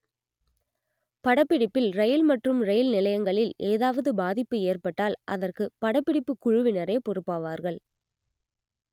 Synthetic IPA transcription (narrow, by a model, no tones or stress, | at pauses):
pɐɽɐpːɪɽɪpːɪlɾɐjɪlmɐʈrɯmrɐjɪlnɪlɐjɐŋɡɐɭɪleːðaːʋɐðɯbaːðɪpːɯeːrpɐʈːaːlʔɐðɐrkɯpɐɽɐpːɪɽɪpːɯkʊɻʊʋɪnɐɾeːpɔrɯpːaːʋaːɾɣɐɭ